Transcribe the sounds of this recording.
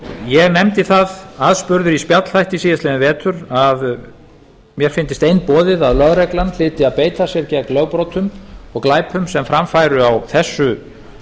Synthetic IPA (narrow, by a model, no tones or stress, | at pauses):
jɛɣnɛmt̪ɪθaðaðspʏɾðʏɾispjat̪l̥θajht̪isiːðɪst̪lɪðnɪvɛːt̪ʰʏɾað | mjɛɾ̥fɪnt̪ɪst̪ejnpɔːðɪðaðlœɣɾɛklanl̥ɪːt̪ɪaðpeːjt̪asjɛɾcɛlœɣpɾowt̪ʰʏmɔɣklaːjpʰʏmsɛmfɾamfajɾʏawθɛsːʏ